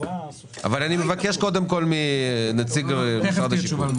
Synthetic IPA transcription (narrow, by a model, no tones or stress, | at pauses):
a̰valanimevake̞ʃko̞d̪emko̞lminat͡siɡmasaʁd̪aʃivun